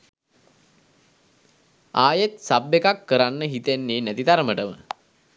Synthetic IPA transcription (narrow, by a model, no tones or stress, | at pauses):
aːjet̪sabːekakːəɾanːəɦit̪enːeːnæt̪id̪aɾəməʈəmə̰